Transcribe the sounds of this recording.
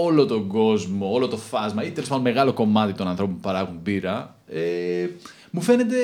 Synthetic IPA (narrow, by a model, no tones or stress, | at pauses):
olo̞t̪oɡo̞zmo̞olo̞t̪o̞fɐzmɐit̪elispɐme̞ɣɐlo̞ko̞mɐt̪it̪o̞nɐnθɾo̞p̬oupɐɾɐɣumbiɾɐ | e | mufe̞net̪e̞